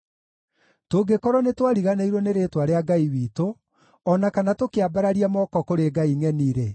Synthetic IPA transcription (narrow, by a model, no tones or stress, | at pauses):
toɡekɔɾɔnetwaɾiɣanaiɾwɔneɾetwaɾeaɡaiwiːto | ɔnakanatokeabaɾaɾiamɔkɔkoɾeɡaiŋɛniɾe